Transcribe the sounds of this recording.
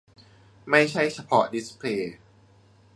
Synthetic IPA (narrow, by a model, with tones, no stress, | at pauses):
ma˥˩jt͡ɕʰa˥˩jt͡ɕʰa˧pʰɔ˦˥di˦˥spʰleː˧